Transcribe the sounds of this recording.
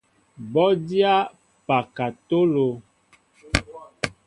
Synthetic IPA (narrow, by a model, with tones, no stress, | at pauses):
bɔ˦di˦a˦ | pa˨ka˨to˦lo˨